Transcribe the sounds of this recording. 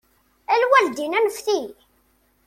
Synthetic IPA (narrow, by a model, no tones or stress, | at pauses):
ælwæld̪inænəfθi